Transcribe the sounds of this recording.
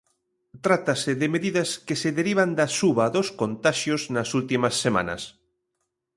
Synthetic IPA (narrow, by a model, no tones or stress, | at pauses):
t̪ɾat̪aseðemeðiðɐskeseðeɾiβ̞and̪ɐsuβaðoskont̪aʃjoznasult̪imɐsːemã̰nɐ̰s